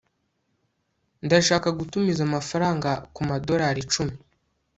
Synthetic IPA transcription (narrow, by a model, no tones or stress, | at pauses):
ndaʃaːkaɡutumizamafaɾaːŋɡakumado̞ɾaːɾit͡ʃumi